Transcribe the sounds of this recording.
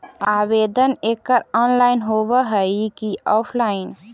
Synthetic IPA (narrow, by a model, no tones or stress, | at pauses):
aːbeːd̪əneːkːəɾɔːnlaːɪnɦoːbəɦəikiɔːpʰlaːɪn